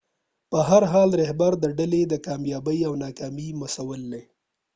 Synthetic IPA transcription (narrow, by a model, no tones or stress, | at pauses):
pəɦaɾɦɑlɾɪhbaɾd̪əɖaled̪əkɑmjɑbəjawnɑkɑmimasawəld̪e